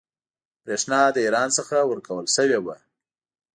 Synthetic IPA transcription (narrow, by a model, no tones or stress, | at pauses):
pɾeʂnɑd̪əiɾɑnsəxawəɾkawəlsəwewa